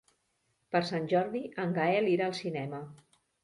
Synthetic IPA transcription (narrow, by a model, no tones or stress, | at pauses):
pəɾsanʲʒɔɾðiəŋɡaɛliɾaːlˠsinɛmə